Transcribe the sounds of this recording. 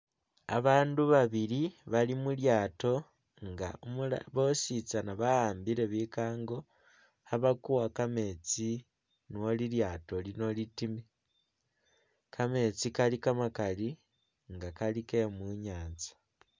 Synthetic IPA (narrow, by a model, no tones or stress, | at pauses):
a̰βaːnduβaβiliβalimuljaːto̞ | ŋɡa̰omulβosit͡sanaβahaːmbiɾe̞βikaːŋɡo̞ | haβakuwakame̞t͡si | nuwoliljaːto̞lino̞litime | kʰame̞t͡sikalikamakali | ŋɡakalikemuɲaːt͡sḁ